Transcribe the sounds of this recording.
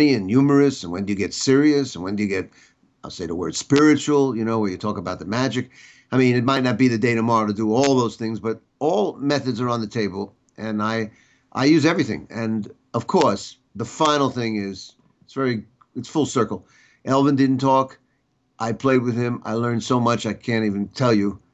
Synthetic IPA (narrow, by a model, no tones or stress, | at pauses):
iɨ̃njʉmə˞ɨsɨ̃nwɨ̰̃njɨɡɛtsɪɹiɨsnwə̃njɨɡɛɾ̚ | aɪlˠseɪðə̰wɜ̰˞d̥spɪɹɨt͡ʃul̩ˠjɨñoʊwə̃njɨtʰɔkəbaʊt̪̚ðəmæd͡ʒɨk | aɪmĩnɨt̚maɪtⁿnɨt̚b̥iðɨdeɪɾɨmɑɹˠɾɨdəɔlˠðoʊz̥θɪ̃ŋzbʌɾ | ɔlˠmɛθɨdzə˞ə̃nðɨtʰeɪbl̩ˠ | ʔɨ̃naɪ | ʔa̰ɪjʉzɛvɹiθɪ̰̃ŋɨ̃n | ʌv̥kʰɔɹs | ðəfãɪ̃nl̩ˠθɪ̃ŋɪz̥ | ɪtsvɛɹi | ɨtsfʊlˠsɜ˞kl̩ˠ | ʔɛlˠvə̃ndɪdⁿn̩tʰɔk | ʔaɪpʰl̥eɪd̚wɨð̥ɪ̃ma̰ɪlɜ̃˞nsoʊmʌt͡ʃaɪkʰæ̃ntivɨ̃ntʰɛlˠjɨ